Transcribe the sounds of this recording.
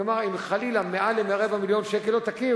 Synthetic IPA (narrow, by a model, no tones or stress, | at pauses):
maʁimχalilamealemeaʁevamiljo̞nʃekelot̪aki